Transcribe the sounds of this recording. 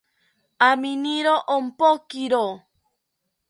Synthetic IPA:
aminiɾoʔom̩pɔkiɾo

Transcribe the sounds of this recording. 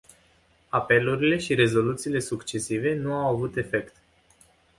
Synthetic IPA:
ape̞luɾile̞ʃiɾe̞zo̞lut̪siːle̞sukt͡ʃe̞sive̞nuawavut̪e̞fe̞kt̪

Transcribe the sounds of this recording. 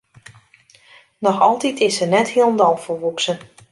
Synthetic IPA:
nɔxɔlˠtitʰɪsənɛthiəlˠndɔlˠfəʋupsən

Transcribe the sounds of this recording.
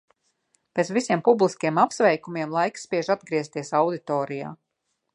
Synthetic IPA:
pet̪svisʲiɛmpublˠiskʲiɛmapsvɛjkumiɛmlˠajkspʲiɛʒad̪̚ɡɾiɛst̪iɛsawd̪it̪ɔːɾija̰ː

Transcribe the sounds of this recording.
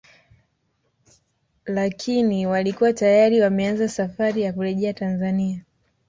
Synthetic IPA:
lakʰiniwalikuwatajaɾiwamɛanzasafaɾijakuɾɛʄɛatanzania

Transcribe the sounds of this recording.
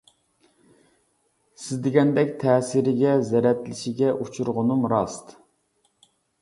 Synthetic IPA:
sɪzd̪eɡʲɛnd̪ɛkʲt̪ʰɛːsɪɾɪɡʲɛzɛɾɛt̪lɪʃiɡʲɛʔut͡ʃʰuɾʁʊnumɾɑst̪

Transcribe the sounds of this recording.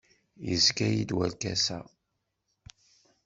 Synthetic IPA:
jəzkæjid̪wælkæsæ

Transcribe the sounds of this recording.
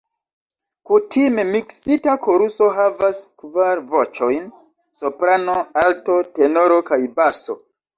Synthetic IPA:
kutʰime̞miksitakʰoɾuso̞ɦavaskvaɾvo̞t͡ʃo̞jn | sopɾano̞alto̞te̞no̞ɾo̞kajbaso̞̰

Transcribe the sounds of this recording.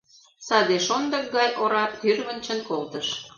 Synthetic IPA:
sɑd̪eʃond̪ə̆k̚ɡɑjʔoɾɑpt̪yrβə̆nt͡ɕə̆nkolt̪əʃ

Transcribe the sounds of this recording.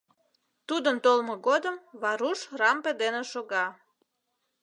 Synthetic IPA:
t̪ud̪ənt̪olmoɣod̪əmβɑɾuʃrɑmped̪eneʃoɣɑ

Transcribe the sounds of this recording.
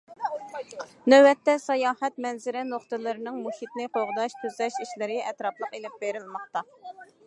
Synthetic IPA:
nøwɛt̪ːɛsɑjɑːhɛt̪̚mɛnzɪɾɪnoχt̪ɨlˠɨɾɨnɨŋmuʃit̪nɨqʰoʁd̪ɑʃt̪ʰyzlɛʃiʃlɪɾɪɛt̪ɾɑplˠəqelɪp̚beɾɪlmɑχt̪ɑ

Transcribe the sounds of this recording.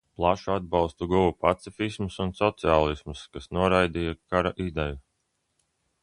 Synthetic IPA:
plˠaʃuad̪̚bɑlˠst̪uɡuwupat̪sifismusunsɔt̪siaːlˠismuskasnuɔɾajd̪ijakaɾaʔid̪ɛju

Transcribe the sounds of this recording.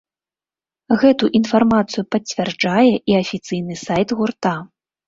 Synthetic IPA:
ɣɛt̪uʔinfarmat̪sɨjupɐt͡sʲvʲard͡ʐajɛʔiɐfʲit̪sɨjnɨsajt̪ɣurt̪a

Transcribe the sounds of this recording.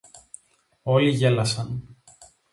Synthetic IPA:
o̞liʝe̞lɐsɐn

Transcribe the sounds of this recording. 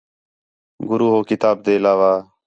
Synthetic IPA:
ɡʊɾuːɦoːkɪt̪aːb̚d̪eːlaːʋaː

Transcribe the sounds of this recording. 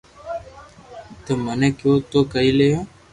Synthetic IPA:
t̪əmənẽːkjoːt̪oːkəiːlejõː

